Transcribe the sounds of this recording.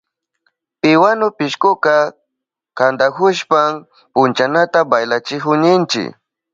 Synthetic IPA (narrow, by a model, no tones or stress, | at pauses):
pɪwanʊpɪʃkʊka | kand̪akʊʃpam | pʊnt͡ʃanat̪abajlat͡ʃɪkʊɲɪnt͡ʃɪ̰k